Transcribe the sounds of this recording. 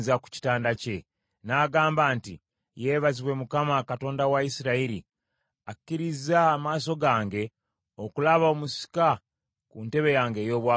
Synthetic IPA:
zaku̥ci̥taːndace̞ | naːɡaːmbaːntḭ | je̞βaziβwe̞mukamakato̞ːndawaisiɾaiɾḭ | ḁkːiɾizaːmaːso̞ɡaːŋɡe̞ | o̞kulaβao̞musi̥ka | kunte̞βe̞jaːŋɡe̞ːjo̞ːβwa

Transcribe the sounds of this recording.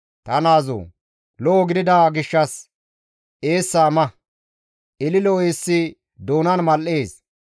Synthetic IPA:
t̪ɐnaːzo̰ː | lɔʔːɡɪd̪ɪd̪aɡɪʃːɐs | ʔeːsːɐmɐ | ʔɪlɪlɔweːsːɪ | d̪oːnɐnmɐlːeːs

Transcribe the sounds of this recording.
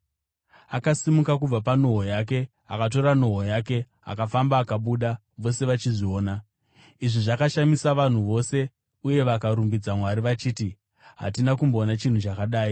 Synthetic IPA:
akasimukak̬ub͡vapano̞ɦojaːk̬e̞ | akat̬o̞ɾano̞ɦojaːke̞ | a̰kafambaːkaɓuːɗa | ʋo̞se̞ʋat͡ʃiʐio̞ːna | iʐiʐakaʃamisaʋan̤uʋo̞se̞ | uje̞ʋakaɾumbid͡zamwaɾiʋat͡ʃiːti | ɦa̰t̬inakumboːnat͡ʃin̤ut͡ʃakaɗaːi

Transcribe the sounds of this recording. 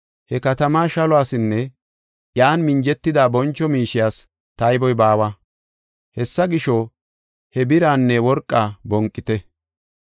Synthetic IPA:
hɛkɐt̪ɐmaːʃɐlɔaːsɪnːɛ | jaːnmɪnd͡ʒɛt̪ːɪd̪aːbɔnt͡ʃːɔmiːʃɪjaːs | t̪ɐjbɔjbaːwɐ | hɛsːɐɡɪʃɔ | hɛbɪɾaːnːɛwɔɾkʼːaːbɔŋkʼːɪt̪ɛ

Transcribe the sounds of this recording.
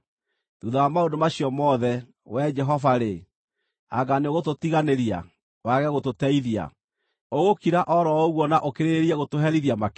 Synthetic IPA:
duðawamaondomaɕiɔmɔðɛ | wɛd͡ʒɛɦɔvaɾe | aɡaneɣototiɣaneɾia̰ | waɣɛɣototɛiðia̰ | oɣokiɾaʔɔɾɔɔɣwɔnaʔokeɾeɾiɛɣotoɦɛɾiðiamak

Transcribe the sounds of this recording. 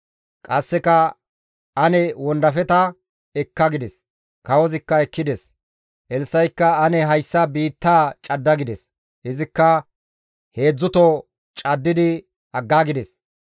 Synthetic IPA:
kʼɐsːɛkɐ | ʔɐnɛwɔnd̪ɐfɛt̪ɐ | ɛkːɐɡɪd̪ɛs | kɐwɔzɪkːɐɛkːɪd̪ɛs | ʔɛlsɐjkːɐːnɛɦɐjsːɐbiːt̪ːaːt͡ʃʼɐd̪ːɐɡɪd̪ɛs | hɪzɪkːɐ | he̞ːd͡zːʊt̪o | t͡ʃʼɐd̪ːɪd̪ɪ | ɐɡːaːɡɪd̪ɛs

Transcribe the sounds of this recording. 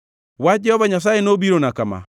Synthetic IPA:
wad͡ʒɛhɔβaɲas̬aːenoβiɾonakama̰

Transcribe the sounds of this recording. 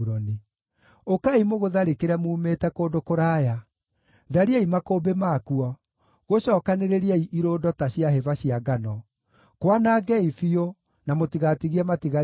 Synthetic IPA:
ɾɔni | okaimoɣoðaɾekeɾɛmuːmeːtɛkoːdokoɾaːja | ðaɾiaimakobemakuɔ | ɣoɕɔːkaneɾeɾiaiʔiɾoːdɔtaɕiaɦevaɕiaɡanɔ | kwanaɡɛifio | namotiɣatiɣiɛmatiɣa

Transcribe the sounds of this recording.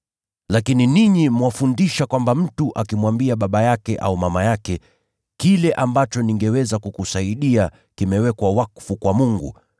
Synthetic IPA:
lakininiɲimwafundiʃakwambam̩tuʔakimwambiaɓaɓajakɛʔa̰umamajakɛ | kilɛʔambat͡ʃɔniŋɡɛwɛzakukusaiɗia | kimɛwɛkwawakfukwamuŋɡṵ

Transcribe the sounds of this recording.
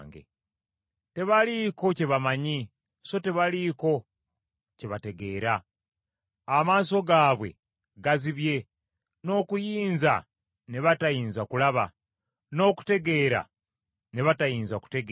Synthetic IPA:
ŋɡḛ | te̞βaliko̞ce̞βamaɲi | so̞te̞βaliko̞ | ce̞βate̞ɡe̞ːɾa | maːs̬o̞ɡaːβwe̞̰ | ɡaziβje̞ | no̞ːkujiːnza̰ | ne̞βatajiːnzakulaβa̰ | no̞ːku̥te̞ɡe̞ːɾa̰ | ne̞βatajiːnzaku̥te̞ɡ

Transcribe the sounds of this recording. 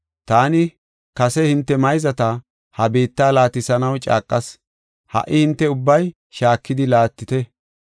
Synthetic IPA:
t̪aːnɪ | kɐsɛhɪnt̪ːɛmɐjzɐt̪ɐ | hɐbe̞ːt̪ːaːlaːt̪ɪsɐnɐwt͡ʃʼa̰ːkʼːɐs | hɐ̰ʔɪhɪnt̪ːɛʊbːɐj | ʃaːkːɪd̪ɪlaːt̪ːɪt̪ɛ

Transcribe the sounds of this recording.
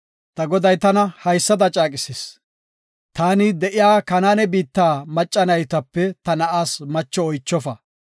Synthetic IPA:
t̪ɐɡɔd̪ɐjt̪ɐnɐhɐjsːɐd̪ɐt͡ʃʼaːkʼɪses | t̪aːnɪd̪ɛʔɪjaːkɐnaːnɛbiːt̪ːaːmɐt͡ʃʼːɐnɐjt̪ɐpːɛt̪ɐnɐʔaːsmɐt͡ʃːɔɔjt͡ʃːɔfɐ

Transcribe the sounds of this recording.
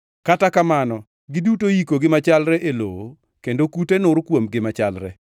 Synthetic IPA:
katakamanɔ | ɡɪdutojikoɡɪmat͡ʃalɾɛʔeloo | kendokutenʊɾkwomɡɪmat͡ʃalɾɛ̰

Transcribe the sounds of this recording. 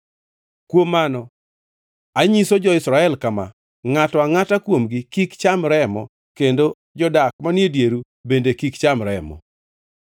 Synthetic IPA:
kwomːanɔ | aɲisod͡ʒɔɪsɾaɛlkama̰ | ŋatɔaŋatakwomɡikikt͡ʃamɾɛmɔ | kendo | d͡ʒɔdak̚manjedjeɾu | bendekikt͡ʃamɾɛ̰mɔ̰

